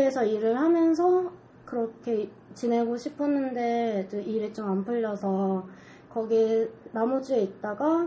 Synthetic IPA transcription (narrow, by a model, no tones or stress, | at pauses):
esʰʌiɾɯɭhamjʌnsʰʌ | kɯɾʌkʰe̞ | t͡ɕine̞ɡoɕʰipʰʌnɯnde̞t͡ɕɯiɾet͡ɕ͈omanpʰɯʎːʌsʰʌ | kʌɡinamod͡ʑue̞it̚t͈aɡa